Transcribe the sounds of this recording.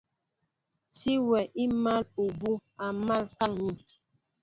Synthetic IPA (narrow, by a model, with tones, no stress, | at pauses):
si˦wɛ˨ʔi˦ma˦lu˨bu˦a˨ma˦˨lka˦ŋɲi˦˨